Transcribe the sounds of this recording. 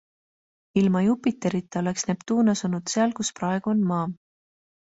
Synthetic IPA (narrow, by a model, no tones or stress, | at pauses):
ilmɑjupːˑit̪ːˑeɾit̪ːˑeo̞leksnept̪uːnɑsunud̪̥seɑlkusprɑe̞ɡ̥uo̞nmɑː